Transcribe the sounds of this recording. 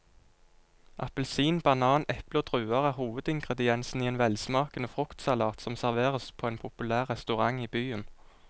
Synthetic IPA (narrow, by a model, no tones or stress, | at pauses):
ʔɑpəlsiːnbɑnɑːnɛpləoːd̪̥ʁʉːɑʁəhuːʋəd̪ɪŋɡʁəd̪ɪɛnsn̩iːeːnʋɛlsmɑːkənəfʁʊkt̪sɑlɑːt̪sɔmsæʁʋeːʁəspʰoːeːnpʰʊpʉlæːʁʁɛst̪ʉʁɑŋiːbyːən